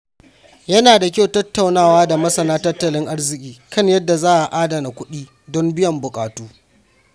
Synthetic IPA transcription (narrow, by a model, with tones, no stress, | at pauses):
jɐ˦naː˨da˨kʲa˦wtɐ˦tːa˨wnaː˦˨waː˦da˨mɐ˦sɐ˨naː˦tɐ˦tːɐ˨lɪ˦ŋʔa˦rzɪ˨kʲʼiː˨kɐ˦ɲjɐ˦dːa˨zaː˦ʔa˨ʔaː˦dɐ˨na˨kʷʊ˦ɗiː˦ | dɔ˦mbɪ˦jɐ˨mbʊ˨kʼa̰ː˨tuː˦